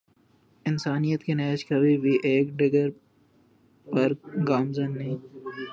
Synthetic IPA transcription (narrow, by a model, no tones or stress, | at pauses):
ɪnsaːnijət̪kenɛːt͡ʃkɐbʱibʱiʔeːkɖɪɡəɾ | pɐɾɡaːmzənːĩː